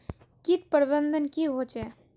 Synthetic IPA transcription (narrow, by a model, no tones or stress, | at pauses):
kit̪̚pəɾibənd̪ənkiɦot͡ʃɛ